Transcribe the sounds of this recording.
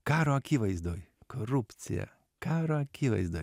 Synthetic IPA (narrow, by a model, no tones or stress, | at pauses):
kɑːɾoɐkʲiʋɐɪzd̪oːjkʰoɾupʲt̪sʲɪ̰jɛ̰ | kɑːɾoɐkʲiʋɐ̰ɪzd̪oːj